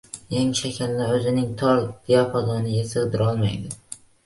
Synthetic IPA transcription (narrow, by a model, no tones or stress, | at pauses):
jeŋʃakʲʰalːaɵzɪnɪŋt̪ʰɒɾd̪̥ijapʰazɒnɪjesɨʁd̪ɪɾɒlˠmajd̪ɪ